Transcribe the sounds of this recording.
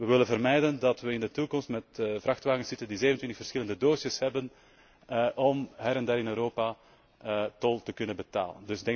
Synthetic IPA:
ʋəʋɪlənvərmɛjdəndɑtʋəɪndətukɔmstmɛtvrɑxtʋaːɣənsɪtəndizeːənəntwɪntəxfərsxɪləndədoːsəshɛbən | ʔɔmɦɛɾɛndaːɾɪnøːɾoːpa | tɔlˠtəkɵnənbəta̰ːlə̰ndɵsdɛŋ

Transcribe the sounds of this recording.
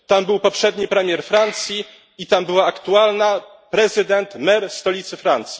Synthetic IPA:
t̪ambɘwpɔpʂɛd̪ɲipɾɛmʲjɛɾfɾant̪sʲji | it̪ambɘwaːkt̪ualna | pɾɛzɘd̪ɛnt̪mɛɾst̪ɔlʲit̪sɘfɾant̪sʲji

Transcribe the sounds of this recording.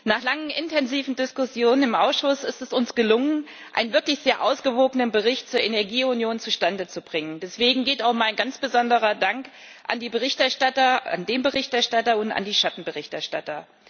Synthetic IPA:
naːχlaŋənɪntʰɛnziːvn̩dɪskʊsjoːnənɪmʔaʊsʃʊsɪstɛsʊnsɡ̥əlʊŋən | ʔa̰ɪnənvɪɐklɪçz̥eːɐʔaʊsɡ̥əvoːɡənənbəʁɪçtt͡suːɐʔenɛɐɡiːʊnjoːnt͡suʃtandət͡subʁɪŋəndɛsv̥eːɡŋ̩ɡeːtaʊxmaɪnɡ̥ant͡sb̥əzɔndəʁ̞ɐdaŋk | ʔa̰ndiːbəʁ̞ɪçtɛɐʃtatɐa̰ndeːmbəʁɪçtɛɐʃtatɐʊnta̰ndiːʃatn̩bəʁɪçtɛɐʃtatɐ

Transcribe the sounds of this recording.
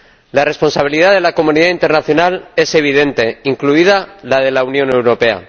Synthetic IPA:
lare̞spo̞nsaβ̞iliðaðe̞lako̞mũniðaint̪e̞ɾnaθjo̞nale̞se̞β̞iðe̞nt̪e̞iŋkluiðalað̞e̞launjõ̞ne̞wɾo̞pe̞a̰

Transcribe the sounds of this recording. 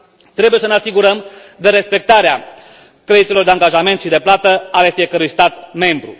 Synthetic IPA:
t̪ɾe̞buje̞səneasiɡuɾəmd̪əɾe̞spe̞k̚t̪aɾea | kɾe̞d̪it̪elo̞rd̪eaŋɡaʒame̞nt̪ʃid̪e̞plat̪əale̞fie̞kəɾujst̪at̪me̞mbɾṵ

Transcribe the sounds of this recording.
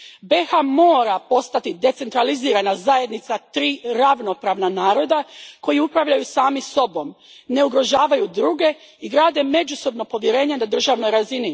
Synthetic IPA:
be̞xamoːɾapo̞st̪at̪id̪e̞t̪se̞nt̪ɾaliziːɾanazaje̞d̪nit̪sat̪ɾiːɾaʋno̞pɾaːʋnanaːɾo̞d̪ako̞jiupɾaʋʎajusaːmiso̞bo̞m | ne̞uɡɾo̞ʒaːʋajud̪ɾuːɡe̞ | iɡɾaːd̪e̞me̞d͡ʒuso̞bno̞po̞ʋjeɾe̞ːɲenad̪r̩ʒaʋno̞jɾazini

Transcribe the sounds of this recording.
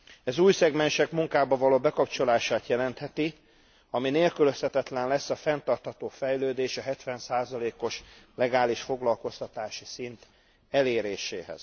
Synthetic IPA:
ɛzuːjsɛɡmɛnʃɛkmuŋkaːbɒvɒloːbɛkɒpt͡ʃo̞laːʃaːt̪jɛlɛnt̪hɛt̪i | ɒmineːlkyløshɛt̪ɛt̪lɛnlɛsːɒfɛnt̪ɒrt̪hɒt̪oːfɛjløːd̪eːʃɒɦɛt̪ʋɛnsaːzɒleːko̞ʃlɛɡaːliʃfo̞ɡlɒlko̞st̪ɒt̪aːʃisint̪ | ɛleːɾeːʃḛːɦɛ̰z̥

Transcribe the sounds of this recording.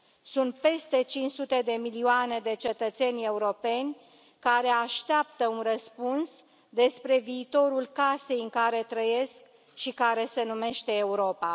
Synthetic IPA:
sunt̪̚pe̞st̪e̞t͡ʃint͡ʃsut̪e̞d̪e̞milioane̞d̪e̞t͡ʃe̞t̪ət̪se̞nʲe̞uɾo̞pe̞nʲ | kaɾe̞aʃt̪eapt̪əunrəspuns | d̪e̞spɾe̞viːt̪o̞ɾulkase̞jɨŋkaɾe̞t̪ɾəje̞sk | ʃikaɾe̞se̞nume̞ʃt̪e̞ːuɾo̞pa

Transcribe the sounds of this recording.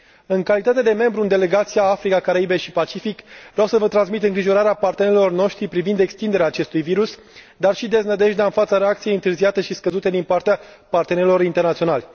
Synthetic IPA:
ɨŋkalit̪at̪ed̪e̞me̞mbɾuɨnd̪e̞le̞ɡat̪sijaafɾikakaɾaibeʃipat͡ʃifikvɾawsəvət̪ɾans̬mit̪ɨŋɡɾiʒo̞ɾaɾeapart̪eneɾilo̞rno̞ʃt̪ɾipɾivind̪e̞kst̪ind̪e̞ɾeaːt͡ʃe̞st̪ujviɾus | d̪arʃid̪e̞znəd̪e̞ʃd̪aɨnfat̪saɾe̞akt̪sijeɨnt̪ɨrziat̪e̞ʃiskəzut̪e̞d̪inpart̪ea | part̪e̞neɾilo̞ɾint̪ernat̪sio̞nalʲ

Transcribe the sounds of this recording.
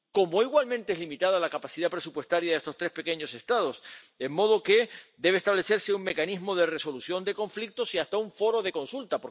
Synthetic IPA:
ko̞moiɣwalmẽnt̪eezlimit̪að̞alakapasiðapɾe̞supwe̞st̪aɾjaðe̞st̪o̞st̪ɾe̞spe̞ke̞ɲo̞se̞st̪aðo̞semːo̞ð̞o̞ke̞d̪e̞β̞est̪aβle̞se̞ɾseuŋme̞kanizmo̞ð̞e̞re̞so̞lusjo̞nd̪e̞ko̞ɱflik̚t̪o̞siast̪auɱfo̞ɾo̞ðe̞ko̞nsult̪apo

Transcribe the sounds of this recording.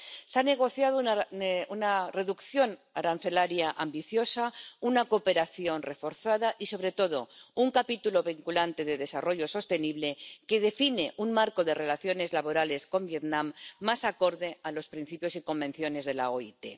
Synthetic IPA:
seane̞ɣ̞o̞θjað̞ounare̞ðukθjo̞naɾan̟θe̞laɾjaʔambiθjo̞saunakope̞ɾaθjo̞nre̞fo̞ɾθaðaʔiso̞β̞ɾe̞t̪o̞ð̞o̞uŋkapit̪ulo̞β̞iŋkulant̪e̞ðe̞ðe̞saro̞ʝo̞so̞st̪e̞niβle̞ke̞ð̞e̞fine̞ʔuŋmaɾko̞ðe̞re̞laθjo̞ne̞zlaβo̞ɾale̞sko̞mbje̞t̪nãmːasako̞ɾðe̞alo̞spɾin̟θipjo̞siko̞mbe̞n̟θjo̞ne̞zðe̞la̰oit̪e̞̰

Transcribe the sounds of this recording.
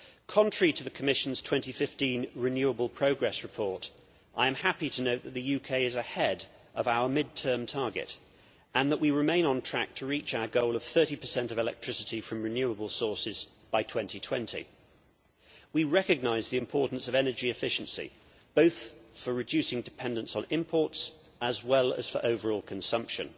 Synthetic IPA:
kʰɒ̃ntɹ̥ə˞itʰəðəkʰəmɪʃn̩z̥tʰw̥ɛ̃ntifɪftĩnɹɪnjʉəbəlˠpʰɹ̥əʊɡɹɛsɹɨpʰɔɹt | ʔaɪɨ̃mhapitʰənoʊʔ̪̚ðət̪̚ðɨjʉkʰeɪɪzəhɛd | əvaʊəmɪd̚tʰɜ̃ːmtʰɑɹɡɪ̰t | ə̃nðəʔwiɹɪmẽɪ̃nə̃ntʰɹ̥æ̰k̚tʰəɹiˑt͡ʃaʊəɡoʊlˠəv̥θɜˑɾipʰəsɛ̃ntəvɪlɛ̰k̚tʰɹ̥ɪsɨtifɹə̃mɹɨnjʉəbəlˠsɔɹsɪzb̥aɪtʰw̥ɛ̃ntitʰw̥ɛ̃ntʰḭ | wiɹɛkɨɡ̚naɪzðiɨ̃mpʰɔɹˑʔn̩səvɛnəd͡ʒiɨfɪʃn̩sḭ | b̥oʊθfəɹɨd͡ʒʉsɪ̃ŋdɨpʰɛ̃ndə̃nsn̩ɪ̃mpʰɔɹts | ʔəzwɛlˠə̰z̥fə̰˞ʔoʊvə˞ɔlˠkʰə̃nsʌ̃mpʃɨ̰̃n

